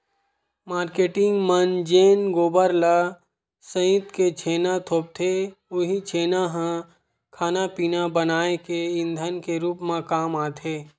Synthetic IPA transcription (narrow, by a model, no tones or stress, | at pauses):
maːɾkeːʈɪ̃ŋɡmənd͡ʒeːnɡoːbəɾla | sə̃jt̪ket͡ʃʰeːnat̪ʰoːp̚t̪ʰeʊɦit͡ʃʰeːnaɦã | kʰaːnapiːnabənaːekeɪ̃nd̪ʱənkeɾuːpmãkaːmaːt̪ʰeː